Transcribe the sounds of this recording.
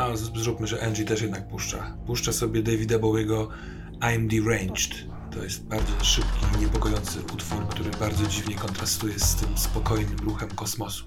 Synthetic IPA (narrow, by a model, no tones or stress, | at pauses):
azzɾupmɘʐɛʔɛnʐit̪ɛʂjɛd̪nak̚puʂt͡ʂa̰puʂt͡ʂasɔbʲjɛd̪ɛvʲid̪abɔwjɛɡɔ | amd̪iɾɛjnt͡ʂt̪ | t̪ɔ̰jɛst̪̚baɾd̪zɔʂɘpkʲiɲɛpɔkɔjɔnt̪sɘ̰ʔut̪fuɾkt̪uɾɘbaɾd̪zɔd͡ʑivɲɛkɔnt̪ɾast̪ujɛst̪ɘmspɔkɔjnɘmɾuxɛmkɔsmɔsu̥